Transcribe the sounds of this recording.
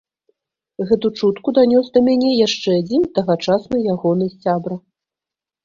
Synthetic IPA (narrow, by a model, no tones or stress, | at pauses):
ɣɛt̪ut͡ʂut̪kud̪anʲɔsd̪ɐmʲanʲɛjaʂt͡ʂɛad͡zʲint̪aɣat͡ʂasnɨjaɣɔnɨsʲabɾɐ